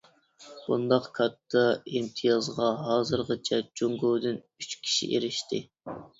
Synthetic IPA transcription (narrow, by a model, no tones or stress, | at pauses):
b̥und̪ɑqkʰɑt̪ʰːɑimt̪ʰɨjɑzʁɑɦɑːzɨɾʁət͡ʃʰɛt͡ʃoŋɡowd̪ɨn | yt͡ʃkʲʰi̥ʃḭʔeɾɪʃt̪ɪ